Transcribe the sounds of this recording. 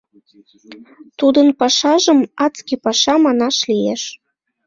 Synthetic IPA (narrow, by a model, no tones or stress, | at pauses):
t̪ud̪ənpɑʃɑʒəmɑt͡skʲipɑʃɑmɑnɑʃlijeʃ